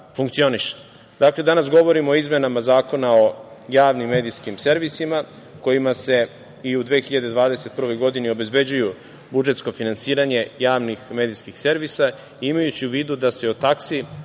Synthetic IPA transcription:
fuŋkt̪io̞niʃe̥ | d̪akle̞d̪anasɡo̞ʋo̞ɾimooizmenamazaːko̞nao̞jaːʋnimːe̞ːd̪iskimse̞ɾʋisima | ko̞jimase̞ | iud̪ʋeːxiʎad̪e̞d̪ʋaːd̪e̞se̞t̪̚pr̩ʋo̞jɡo̞d̪inio̞be̞zbe̞d͡ʑuju | bud͡ʒe̞t̪sko̞finansiːɾaɲe̞jaːʋnixme̞ːd̪iskixse̞ɾʋisa | iimajut͡ɕiuʋiːd̪ud̪ase̞ot̪aksi

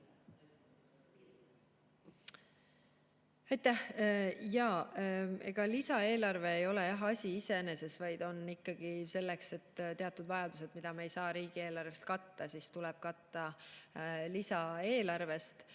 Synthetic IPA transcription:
ɑjt̪æhjɑːe̞̰ɡ̥ɑlisɑe̞ːlɑrve̞ːjo̞le̞jɑɦɑsʲiise̞ne̞se̞svɑjd̪̥o̞nikːɑɡ̥ise̞lːe̞kse̞t̪ːt̪e̞ɑt̪ːˑud̪̥vɑjɑd̪̥use̞d̪mid̪̥ɑmeejsɑːɾiːɡ̥ie̞ːlɑrvest̪̚kɑt̪ːɑsist̪ulɛb̥̚kɑt̪ːɑ | lisɑe̞ːlɑrve̞st̪

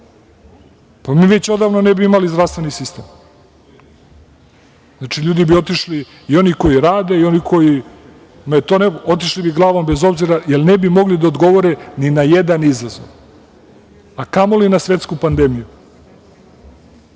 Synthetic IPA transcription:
pamiːʋe̞t͡ɕo̞d̪aːʋnonebiimalizd̪ɾafst̪ʋenisist̪eːm | znat͡ʃiʎuːd̪ibio̞t̪iʃli | io̞niko̞jiɾaːd̪e̞io̞nikʰo̞ji | met̪oneot̪̬iʃlibiɡlˠaːʋo̞mbezo̞bziɾajelnebimo̞ɡlid̪aod̪ɡo̞ʋoɾeninajed̪anizazo̰ʋ | akamolinasʋe̞t̪skupand̪emiju

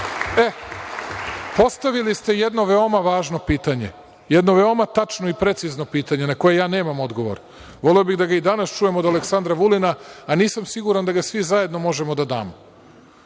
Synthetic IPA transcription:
e̞ | po̞st̪aʋilist̪e̞je̞d̪no̞ʋe̞o̞maʋaːʒno̞piːt̪aɲe̞̰ | je̞d̪no̞ʋe̞o̞mat̪at͡ʃno̞ipɾe̞t̪sizno̞piːt̪aɲe̞nako̞je̞jaːne̞ːmamo̞d̪ɡoʋo̞̰ɾ | ʋo̞liobiɣd̪aɡaid̪anast͡ʃuje̞mod̪aleksand̪ɾaʋulinaːniːsamsiɡuɾand̪aɡasʋizaje̞d̪no̞mo̞ʒe̞mo̞d̪ad̪a̰ːmo

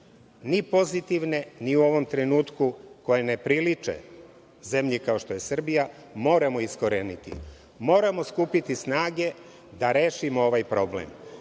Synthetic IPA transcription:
nipo̞zit̪iʋne̞niuo̞ʋo̞mt̪ɾenuːt̪kuko̞jenepɾilit͡ʂḛ | ze̞mʎikao̞ʃt̪o̞jesr̩bija | mo̞ːɾamo̞iskoɾenit̪ḭ | mo̞ːɾamo̞skuːpit̪isnaːɡe̞ | d̪aɾe̞ːʃimoo̞ʋajpɾo̞blḛm

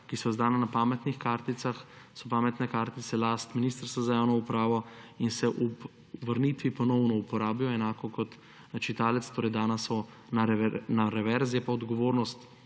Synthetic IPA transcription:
kisɔzd̪aːnanapaːmɛt̪nixkaːɾt̪it̪saxsɔpaːmɛt̪nɛkaːɾt̪isɛlaːst̪minist̪əɾst̪ʋazajaːwnɔupɾaːʋɔinsɛʔu | ʋəɾnit̪ʋipɔnɔwnɔupɔɾaːbjɔɛnaːkɔkɔt̪ | nat͡ʃit̪aːlɛt̪st̪oːɾɛjd̪aːnasɔ | naɾɛnaɾɛʋɛɾzijɛpaɔd̪ɡɔʋoːɾnɔst̪

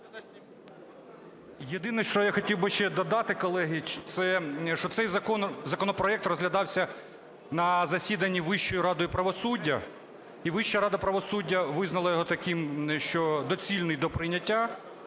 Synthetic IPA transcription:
jed̪ɪnɛʃt͡ʃɔjaxɔtʲiwbɪʃt͡ʃɛd̪ɔd̪ɑt̪ɪkɔlˠɛɦit͡ʃt̪sɛʃɔt̪sɛjzɐkɔnzɐkɔnɔpɾɔɛkt̪rɔzɦlʲɐd̪ɑwsʲɐ | nɐzɐsʲid̪ɐnʲːiʋɪʃt͡ʃɔjʊɾɑd̪ɔjʊpɾɐʋɔsudʲːɐ | iʋɪʃːɐɾɑd̪ɐpɾɐʋɔsudʲːɐʋɪznɐlˠɐjɔɦɔt̪ɐkʲɪmʃt͡ʃɔd̪ɔt͡sʲilʲnɪjd̪ɔpɾɪjnʲɐtʲːa

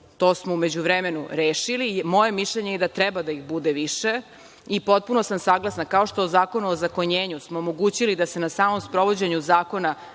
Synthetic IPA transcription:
t̪o̞ːsmoume̞d͡ʑuʋɾeme̞nṵɾeːʃilimo̞je̞miʃʎeɲejed̪at̪ɾɛbad̪aiɣbud̪eʋiʃe̞ | ipo̞t̪̚puno̞samsaɡlˠasnankao̞ʃt̪oozaːko̞nuozako̞ɲeːɲusmoːmo̞ɡuːt͡ɕilid̪ase̞nasaːmo̞mspɾo̞ʋo̞d͡ʑeɲuzaːko̞na

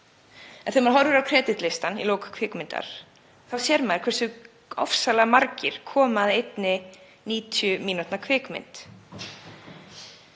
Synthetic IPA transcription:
ɛnθemaɾɦɔɾðʏɾawkʰɾɛːt̪ɪt̪lɪst̪anḭloːwkḁkʰvɪːkmɪnt̪a̰ɾ̥ | θawsjɛɾmaðɾ̥kʰvɛrsʏ | ɔ̰fsalamaɾcɪɾ̥kʰɔːmaðejt̪nɪ | niːt̪ʰjʏmiːnut̪nakʰvɪːkmɪ̰nt̪

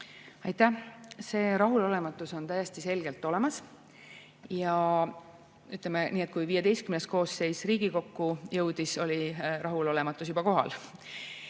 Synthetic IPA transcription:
ɑjt̪æse̞ːɾɑɦulo̞le̞mɑt̪ːˑuso̞nt̪æjest̪ise̞lɡ̥e̞lt̪ːˑo̞le̞mɑs | jɑ | yt̪ːˑlemeniːe̞t̪̚ːˑkujviːed̪e̞jst̪kymnes̚ko̞ːsːe̞jsriːɡ̥iko̞kːujɤwd̪̥iso̞liɾɑɦulo̞le̞mɑt̪ːˑus̬jubɑko̞ɦɑ̰l

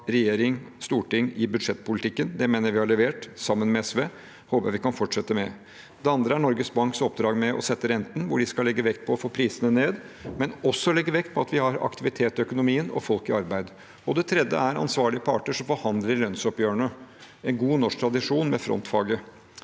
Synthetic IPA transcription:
ɾɛjeːɾɪŋst̪uːʈɪŋːɪbʉd̪ʂɛt̪ːpʊlɪt̪ʰɪkːənd̪ɛmeːnəʋɪhɑɭɛʋeːʈsɑmːənmɛɛsʋeː | hoːpjæʋɪkɑnfɔʈʂɛt̪ːəmɛ | d̪ɛɑnd̪ɾəæɳɔɾɡəsbɑŋksɔpd̪ɾɑːɡmɛʔɔ̰sɛt̪ːəɾɛnt̪n̩ʋʊɖɪskɑlɛɡːəʋɛkt̪̚pʰɔːfoːpʰɾiːsənəneːd̪ | mɛnɔsːɔlɛɡːəʋɛkt̪̚pʰɔɑt̪ʋɪhɑɾɑ̰kt̪ɪʋɪt̪ʰeːt̪ːɪœkʊnʊmiːənɔ̰fɔlkɪɑɾbæɪd̪ | ɔd̪ɛt̪ʰɾɛd̪ə̰æɾɑ̰nsʋɑːɭɪəpʰɑ̰ːʈəʂɔmfɔɾhɑnd̪ləɾlœnsɔpjøːəɳə | ɛnɡuːnɔʂk̚t̪ʰɾɑd̪ɪʂuːnmɛfɾɔ̰nt̪fɑːɡə

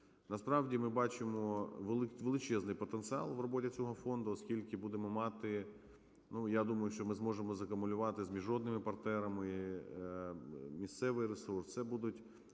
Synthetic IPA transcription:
nɐspɾɑʋdʲimɪbɑt͡ʃɪmɔʋlˠʋelˠɪt͡ʃɛznɪjpɔt̪ent̪sɨɑ̰lˠʋrɔbotʲɪt͡sʲɔɦɔfɔnd̪ʊɔskʲilʲkɪbud̪emɔmɑt̪ɪ | nujad̪umɐjʊʃt͡ʃɔmɪzmɔʒemɔzɐkɐmʊlʲʊʋɑt̪ɪzmʲiʒɔd̪nɪmɪpɐrt̪nɛɾɐmɪi | mʲist̪sɛʋɪjresurst̪sɛbud̪ʊtʲ

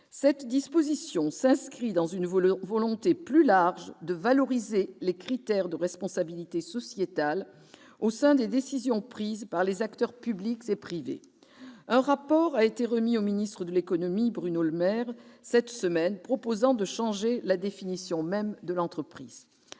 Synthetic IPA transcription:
sɛt̪d̪ispozisjɔ̃sɛ̃skχid̪ɑ̃zynvɔlɔ̃t̪eplylaʁʒd̪əvalɔʁizelekχit̪ɛʁd̪əʁɛspɔ̃sabilit̪esɔsjet̪al | osɛ̃d̪ed̪esizjɔ̃pχizpaʁlezakt̪œʁpyblikzepχivḛ | ɛ̃ʁapɔʁaet̪eʁəmiominist̪χəd̪əlekɔnɔmibʁynoləmɛʁsɛt̪səmɛnpχɔpozɑ̃d̪əʃɑ̃ʒelad̪efinisjɔ̃mɛmd̪əlɑ̃t̪χəpχiz̥

